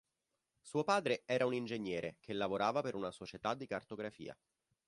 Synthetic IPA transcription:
suːopaːd̪ɾeɛːɾaunind͡ʒeɲːɛːɾek̟ʰelːavoɾaːvapeɾunasot͡ʃet̪ad̪ːikart̪oɡɾafḭːa̰

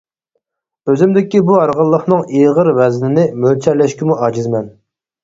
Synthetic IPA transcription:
øzɪmd̪ɪkʲibuɑɾʁəlˠːəχnɨŋeʁəɾvɛznɪnɪmølt͡ʃʰæɾlɛʃkʲimuʔɑd͡ʒizmɛn

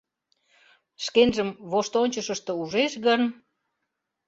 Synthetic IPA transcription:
ʃkenʒəmβoʃt̪onʲt͡ɕəʃəʃt̪ɤ̆uʒeʃɣən

